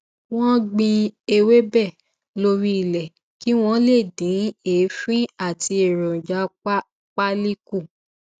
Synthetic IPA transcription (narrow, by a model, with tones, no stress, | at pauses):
w̃ɔ̃˦ɡ͡bĩ˧e˧we˦bɛ˦˨ | lo˧ɾi˦i˦˨lɛ˨ | ki˦w̃ɔ̃˦le˦˨dĩ˨˦eː˨˦fĩ˦a˦˨ti˧e˨ɾɔ̃˨d͡ʒa˨˦ | k͡pa˦li˦ku˦˨